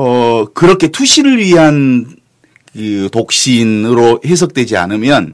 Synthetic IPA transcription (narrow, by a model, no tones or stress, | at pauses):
ʌkɯɾʌkʰe̞tʰuɕʰiɾɯɭɥiɦan | kɯtok̚ɕ͈inɯɾohe̞s̬ʰʌk̚t͈we̞d͡ʑia̰nɯmjʌn